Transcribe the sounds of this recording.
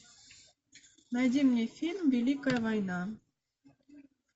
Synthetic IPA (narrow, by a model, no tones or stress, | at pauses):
nɑd̪ʲimnʲijfʲilʲmvʲelʲikɑvɑjnɑ